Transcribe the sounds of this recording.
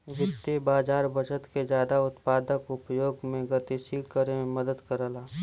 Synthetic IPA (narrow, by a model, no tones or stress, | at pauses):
ʋɪt̪ːebaːd͡ʒaːɾbʱəʃət̪ked͡ʒjaːd̪aʊt̪paːd̪əkʊpjoːɡmẽɡət̪iʃiːlkəɾem̃mɐd̪əd̪kəɾəlaː